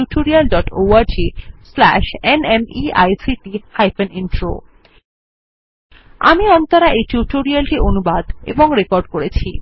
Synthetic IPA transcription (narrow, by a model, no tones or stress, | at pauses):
uʈoɾialɖɔʈowaɾd͡ʑislɛ̰ʃenemia̰jsiʈihajfeninʈɾo̰ | a̰miɔnt̪aɾaʔejʈuʈoɾialʈiʔonubad̪ḛboŋɾekoɾɖkoɾet͡ɕʰi